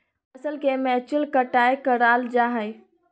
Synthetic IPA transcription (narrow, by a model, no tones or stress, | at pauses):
əsəlkemɛt͡ʃilkəʈajkəɾald͡ʒaɦəj